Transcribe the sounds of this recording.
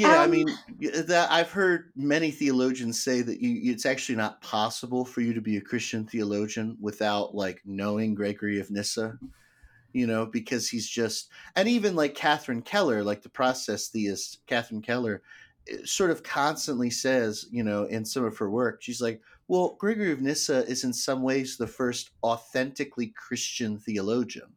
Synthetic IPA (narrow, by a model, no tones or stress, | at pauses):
jæaɪmĩnðɨɾa̰ɪv̥hɜ˞d̚mɛñiθiɨloʊd͡ʒɨ̃nz̥seɪðɨt͡ʃɨɨtsæk̚t͡ʃʉl̩ˠinət̚pʰɑsəbl̩ˠfə˞jɨɾɨbiɨkʰɹ̥ɪst͡ʃɨ̃nθiəloʊd͡ʒɨ̃nwɪθaʊtlaɪknoʊɪ̃ŋɡɹɛɪɡə˞iɨvnɪsə | jɨnoʊbɨkʰʌz̥hizd͡ʒʌst̚ɨ̃ñivɨ̃nlaɪkʰːæθɹɨ̃nkʰɛlˠə˞laɪk̚ðəpʰɹ̥ɔsɛsθiɨstkʰæθɹɨ̃nkʰɛlˠə˞ | ɪ̰sɔɹɾʌv̥kʰɑ̃nstə̃nʔlisɛzjɨnoʊʔɪ̃nsʌ̃mʌv̥ə˞wɜ˞kʃizlaɪk̚ | wɛlˠɡ̥ɹɛɡə˞iɨvnɪsɨɪzɨ̃nsʌ̃mweɪzðəfɜ˞stɔθɛ̃ntɨklikʰɹ̥ɪst͡ʃɨ̃nθiɨloʊd͡ʒɨ̰̃n